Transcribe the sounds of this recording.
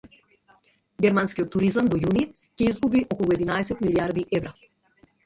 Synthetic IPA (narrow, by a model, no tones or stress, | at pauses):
ɡʲɛɾmanskʲijɔt̪ːuɾizamd̪ɔjuni | cɛizɡubiʔɔkɔlˠuɛd̪inaɛsɛt̪miliaɾd̪iʔɛvɾa